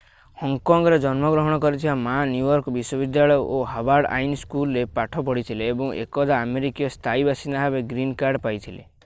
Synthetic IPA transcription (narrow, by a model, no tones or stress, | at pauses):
hɔŋkɔŋɡɔɾed͡ʒɔnmɔɡɾɔɦɔɽ̃ɔkɔɾit̪ʰibamanjujɔɾkɔbiswɔbid̪jaɭɔjɔʔoɦabaɾɖa̰jnskulɾepaʈʰɔpɔɽit̪ʰileːbɔŋḛkɔd̪aːmeɾikijɔst̪ʰaibʱasinaɦabeɡɾinkaɾɖpajt̪ʰile